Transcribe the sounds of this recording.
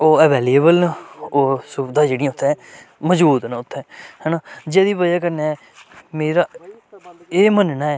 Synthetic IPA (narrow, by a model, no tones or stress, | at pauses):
oːəʋɛːliəbəlnaoːsʊbd̪aːd͡ʒeːɽĩjãːʊt̪ʰːɛ̃ːməd͡ʒbuːd̪naːʊt̪ʰːɛ̃ːhɛnaːd͡ʒed̪iːʋəd͡ʒaːkəɾneːɛː | meːɾaː | eːmənnaːɛː